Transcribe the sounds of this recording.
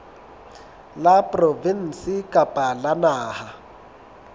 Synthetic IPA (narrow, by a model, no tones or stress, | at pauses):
lapʼrɔvin̩sikʼapʼalanaːha